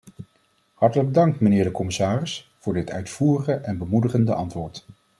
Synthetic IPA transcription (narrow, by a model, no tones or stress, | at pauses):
hɑɹtələɡb̚dɑŋk̚tmənɪːɹdəkɔmɪsaːrɪs | v̥ʊːɹdɪtœ̰ɥtfuːrəχəʔɛnbəmudəχəndəʔɑntʋʊːɹt